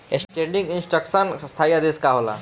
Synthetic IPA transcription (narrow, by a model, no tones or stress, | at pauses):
ḛksʈeɳɖĩŋɡinsʈɾəksənə̃st̪ʰajad̪eskaɦola̰